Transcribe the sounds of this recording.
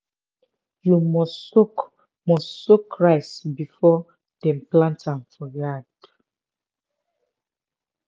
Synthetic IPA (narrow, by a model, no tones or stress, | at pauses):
jumɔsok | mɔssokʰːɹaɪsbifɔ | d̥ɛ̃mplãntãmfɔjad